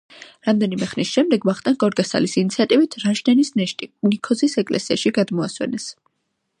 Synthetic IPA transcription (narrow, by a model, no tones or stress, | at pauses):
ɾamd̪ɛnimɛχnisʃɛmd̪ɛɡvaχt̪ʼanɡʼɔɾɡasa̰lisinit̪sʰiat̪ʼivit̪ʰɾaʃnɛnisnɛʃt̪ʼinikʰɔzisɛkʼlɛ̰siaʃiɡad̪mɔaswɛ̰nɛs